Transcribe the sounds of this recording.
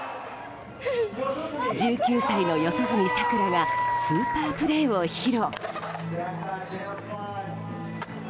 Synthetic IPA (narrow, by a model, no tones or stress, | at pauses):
d͡ʑɨːkʲɨːsaino̞jo̞sozɨɲ̟isakɯ̟ɾaɡasɨːpaːpɯ̟ɾe̞ːo̞çiɾo